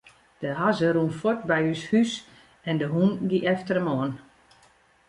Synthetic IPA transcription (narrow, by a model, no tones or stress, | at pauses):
d̥əɦazəɾuːnfɔtbɛjyshys | ɛndəɦunɡiʔɛftəɾəmɔən